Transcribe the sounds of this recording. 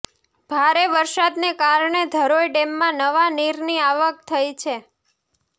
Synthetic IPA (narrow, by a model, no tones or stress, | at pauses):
b̥ʱaɾeʋəɾʃad̪nekaɾɳed̪ʱəɾojɖemːãnəʋaniɾniaʋək̚t̪ʰəjt͡ʃʰe